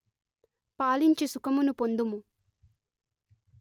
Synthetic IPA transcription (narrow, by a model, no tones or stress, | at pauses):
paːliɲt͡ʃisukɐmunupond̪umu